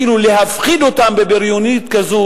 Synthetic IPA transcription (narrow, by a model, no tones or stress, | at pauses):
ilulehafχid̪ot̪ambebeɾjonit̪kazo